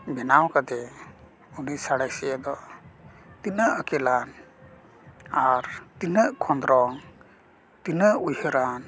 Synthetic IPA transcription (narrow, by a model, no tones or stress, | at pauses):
bɛnawkad̪ɛ | unisaɽajsijəd̪ɔ | t̪inəʔəkɛlan | aɾt̪inəʔkʰɔnd̪ɾɔŋ | t̪inəʔujhəɾan